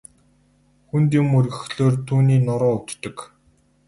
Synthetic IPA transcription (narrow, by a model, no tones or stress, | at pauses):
xunt̪imɵrɣɘ̆xɮoːrt̪ʰuːniːnɔɾɔːɵt̪ːɞ̆k